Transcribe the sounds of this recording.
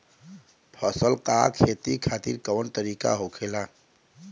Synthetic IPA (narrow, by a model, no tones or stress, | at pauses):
pʰəsəlkakʰet̪ikʰaːt̪ḭɾkəwənt̪əɾiːka̰ɦokʰela